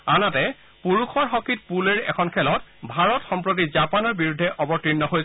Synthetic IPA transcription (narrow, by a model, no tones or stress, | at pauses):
anatɛ | puɹukʰɔɹxɔkit̚puleɹɛ̰kʰɔnkʰɛlɔtbʱaɹɔtxɔmpɹot̬izapanɔɹbiɹudʱːɛʔɔbɔtɹinːɔɦojsɛ